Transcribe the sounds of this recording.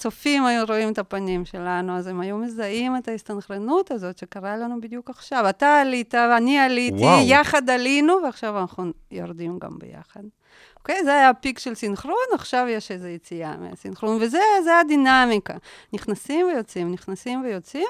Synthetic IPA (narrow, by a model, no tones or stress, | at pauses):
t͡so̞fimajuɾo̞imet̪apanimʃelanuaze̞majumezaimet̪aist̪anχɾenut̪azo̞tʃekaʁalanubid̪jukaχʃavat̪aːlit̪avanialit̪ijaχad̪alinuveaχʃavanaχnujo̰ɾd̪imɡa̰mbḛja̰χad̪̚ | oke̞jzeajapikʃe̞lsinχɾunaχʃavjeʃezejet͡sia̰mea̰sinχɾunvezezead̪inamika̰niχnasimve̞jo̞t͡simniχnasimve̞jo̞t͡sim